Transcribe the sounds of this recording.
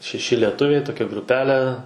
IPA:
ʃʲɛˈʃʲɪ lʲiɛˈtʊʋʲɛɪ toːˈkʲɛ ɡrʊˈpʲæːlʲɛ

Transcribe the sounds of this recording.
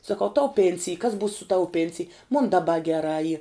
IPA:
sɐˈkɐʊ tɐʊ ˈpʲeːnʲsʲɪj kɐs buːs sʊ ˈtɐʊ ˈpʲeːnʲsʲɪj mʊn dɐˈbɐ ɡʲɛˈrɑː iː

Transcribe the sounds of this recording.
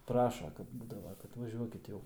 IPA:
ˈprɑːʃɐ ˈkɐt ˈbuːdɐʋɐ kɐt ʋɐˈʒʲuɔkʲɪt ˈjɛʊ

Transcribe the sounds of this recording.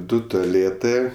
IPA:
ˈdʊ toːˈlʲeːtɜ

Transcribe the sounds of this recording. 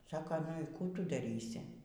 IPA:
ˈsɑːkɐ nʊ iː ˈkuː ˈtʊ dɐˈrʲiːsʲɪ

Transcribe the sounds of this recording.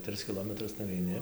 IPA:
ˈtrɨs kʲɪˈlˠoːmʲɛtrʊs nʊʋʲɛɪˈnʲɪ

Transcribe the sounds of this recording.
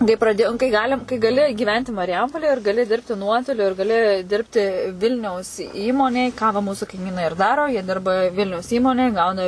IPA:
kɐɪ prɐˈdʲeːjoːm kɐɪ ˈɡɑːlʲɪm kɐɪ ɡɐˈlʲɪ ɡʲiːˈʋʲɛnʲtʲɪ mɐrʲˈjɛmpoːlʲeːj ɪr ɡɐˈlʲɪ ˈdʲɪrʲpʲtʲɪ ˈnuɔtoːlʲʊ ɪr ɡɐˈlʲɪ ˈdʲɪrʲpʲtʲɪ ˈʋʲɪlʲnʲɛʊs ˈiːmoːnʲeːj kɑː ʋɐ ˈmuːsʊ kɐɪˈmʲiːnɐɪ ɪr ˈdɑːroː jiɛ ˈdʲɪrbɐ ˈʋʲɪlʲnʲɛʊs ˈiːmoːnʲeːj ˈɡɐʊnɐ

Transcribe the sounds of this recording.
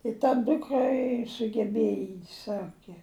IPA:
ɪ tɐ ˈdʊkrɐ ɪ sʊɡʲɛˈbʲeːjɛ ɪ ˈsɑːkʲɛ

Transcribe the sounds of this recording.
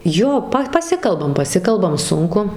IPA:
ˈjoː ˈpɐ pɐˈsʲɪkɐlˠbɐm pɐˈsʲɪkɐlˠbɐm ˈsʊŋkʊ

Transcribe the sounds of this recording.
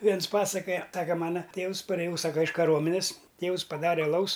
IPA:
ˈʋʲiɛns ˈpɑːsɐkoːjɛ ˈsɑːkɐ ˈmɑːnɐ ˈtʲeːʋʊs pɐrʲeːˈjɛʊ ˈsɑːkɐ ɪʃ kɐˈruɔmʲɛnʲɛs ˈtʲeːʊs pɐˈdɑːrʲɛ ɐˈlˠɐʊs

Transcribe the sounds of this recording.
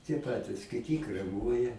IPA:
tʲiɛ ˈpɑːtʲɪs kʲɪˈtʲɪ krʲɛˈmuɔjɛ

